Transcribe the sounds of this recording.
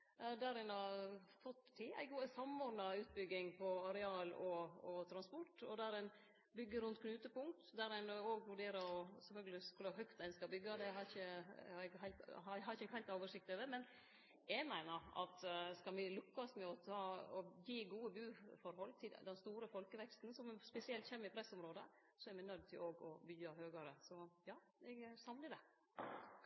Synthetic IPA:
d̪æɾɛnɑfɔt̪ːɪæ̰ɪɡuːəsɑmɔɖnɑʉːt̪̚bʏɡːɪŋpʰɔɑɾɛɑːlɔɔt̪ʰɾɑnspɔʈːɔd̪æɾɛn | bʏɡːəɾʉnt̪kʰnʉːt̪əpʊŋt̪d̪æɾɛnoːɡʋʉɖeːɾəɾɔsɛfœlɡəlɪskʉləɦœkt̪æɪnskɑbʏɡːɑd̪ɛɦɑɾɪçəhɑɾɛɡɦæɪlt̪ɦɑɦɑɾɪçəhæɪlt̪oːʋəʂɪk̚t̪ɑd̪əmɛn | jɛɡmæɪnəɾɑ̰t̪skɑlmɪlʉkːɑsmɛɔt̪ʰɑːɔjiːɡuːəbʉːfɔɾhɔlːt̪ʰɪld̪ɛnst̪uːɾəfɔlkəʋɛkst̪nsɔmspɛsɪɛlt̪çeːmːəɾɪpʰɾɛsːɔmɾoːd̪ə | sɔɛɾmɛɪnœd̪̚t̪ʰɪloːɡɔ̰bʏɡɑɦøːɡɑɾəsɔjɑːɛɡsɑmləd̪ɛ

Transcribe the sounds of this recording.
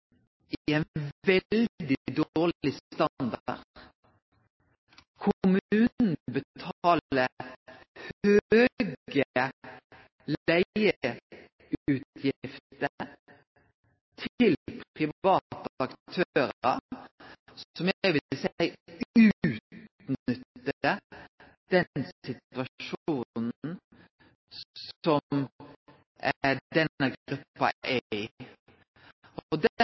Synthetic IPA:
ɪɛnʋɛld̪ɪd̪oːʁlɪst̪ɑnd̪ɑ̰ʁd | kʰʊmʉːnn̩bət̪ʰɑːlə | høːɡə | læɪə | ʉːt̪ʰjɪft̪t̪ə | t̪ʰɪlpʰɪʋɑːt̪ɑkt̪ʰøːɾɾə̰ | sɔmjʋɪɪsæɪʉt̪ | nʏt̪ːəə | d̪̥ɛnsɪt̪ʋɑʃuːnn̩ | ssɔm | d̪ɛnəɡʁʉpːɑ̰ʔæɪ | ɔd̪

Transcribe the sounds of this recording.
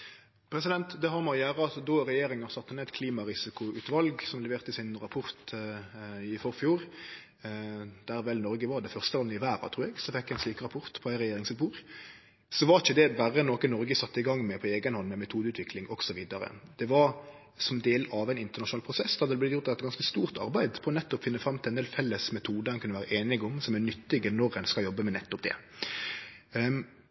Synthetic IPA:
pʰɾɛsɪd̪ɛnt̪d̪ɛɦɑɾmɔjæːɾəɑt̪d̪ɔɾɛjeːɾɪŋəɾsɑt̪ːənɛæt̪kʰliːmɑɾɪsɪkʊʉːt̪ʋɑlɡsɔmlɛʋeːʁt̪əɪsɪnɾɑpʰʊɾt̪ | ɪfɔɾfjuːɾ | d̪̥æɾʋɛlnɔɾɡəʋɑɾd̪ɛfœʁst̪əʋɑləɪʋæːɾɑ̰t̪ʰɾuːɾɛɡsɔfɛkːjæɪsliːkɾɑpʰʊɾt̪pʰɔæɪɾɛjeːɾɪŋsʉːt̪̚buːɾ | sɔʋɑɾɪçəd̪ɛbæɾənoːkənɔɾɡəsɑt̪ːəɪɡɑŋːmɛpʰɔeːɡənhɔnːmɛmɛt̪ʰuːd̪əʉːt̪ʰʋɪkʰlɪŋɔɡ̥sɔʋiːd̪ɑɾə̰d̪̥ɛʋɑɾ | sɔmd̪eːlɑʋæɪnɪnt̪əʁnɑʃʂʊnɑlpʰʁʊsɛsːd̪ɑd̪əd̪ɛblɪt̪jʊɾt̪ɛt̪ːɡɑnskəst̪uːʁt̪ɑ̰ɾbæɪd̪pʰɔɔnɛt̪ːɔpfɪnːəfɾɑmːt̪ʰɪlɛnd̪eːlfɛlːəsmɛt̪ʰuːd̪əɛnkʰʉnːʋæːɾəʔeːnɪɡɔmsɔmænʏt̪ːɪɡənɔɾɛnskɑjɔbːəmɛnɛt̪ːɔp̚d̪ɛ̰

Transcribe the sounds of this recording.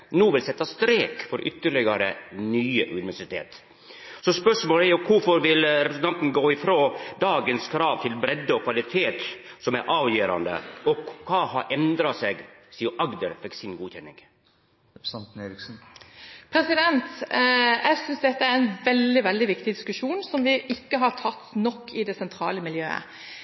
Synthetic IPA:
nuːʋɪlsɛt̪ːɑst̪ɾeːkfɔɾʔʏt̪ːəɭɪɡɑɾənyːəʔʉnɪʋæʂɪt̪ʰḛːt̪ | sɔspœʂmoːlæɾjʊkʰʊɾfɔɾʋɪlɾɛpɾəsnt̪ɑnt̪n̩ɡoːɪfɾoːd̪ɑːɡənskʰɾɑːʋt̪ʰɪlbɾɛd̪ːəɔkʰʋɑlɪt̪ʰeːt̪ | sɔmæɾʔɑːʋjiːɾɑ̰nd̪ə̰ɔkʰɑːhɑɾʔɛnd̪ɾɑseːɡsiːʊʔɑɡd̪əɾfɛksɪnɡuːçɛnːɪ̰ŋ | nt̪n̩eːɾɪksn̩pʰɾɛsɪd̪ɛnt̪jɛsʏnsd̪ɛt̪ːəæɾɛnʋɛld̪ɪʋɛld̪ɪʋɪkt̪ɪd̪ɪskʉʂuːnsɔmʋɪʔɪkːəɦɑʈʰɑt̪ːnɔkːɪd̪ɛsɛnt̪ʰɾɑ̰ːləmɪljø̰ːə̰

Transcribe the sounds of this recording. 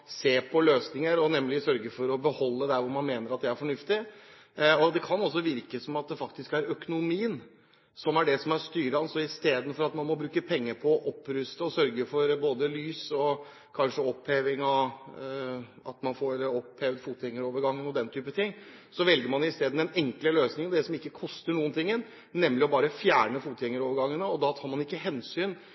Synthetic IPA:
seːpʰɔløːsnɪŋəɾɔnɛmlɪsœɾɡəfɔɾɔbəhɔlːəd̪æɾʋʊɾmɑnmeːnəɾɑt̪̚d̪ææɾfɔɳʉft̪ɪ | ɔd̪ɛkʰɑnɔs̬ːɔʋɪɾkəsɔmɑt̪̚d̪ɛfɑkt̪ɪskæɾœkʊnʊmiːən | sɔmæɖɛsɔmæɾʂt̪yːɾəɑnsɔɪst̪eːd̪n̩fɔɾɑt̪mɑnmɔbɾʉːkəpʰɛŋːəɾpʰɔʔɔpːɾʉst̪əɔsœɾɡəfɔɾboːd̪əlyːsɔ | kʰɑnʂəɔpheːʋɪŋɑʋ | ɑ̰t̪mɑnfoːɾɔpheːʋd̪fuːt̪ɛŋːəɾoːʋəɾɡɑŋːənɔd̪ɛnt̪ʰyːpət̪ʰɪŋː | sɔʋɛlɡəɾmɑnɪst̪eːd̪̩ɛnɛŋkləløːsnɪŋənd̪ɛsɔmɪkːəkʰɔst̪əɳuːənt̪ʰɪŋːən | nɛmlɪɔbɑːɾəfjæːɳəfuːt̪ɛŋːəɾoːʋəɾɡɑŋːənəɔd̪ɑt̪ʰɑːɾmɑnɪkːəɦɛnsyːn

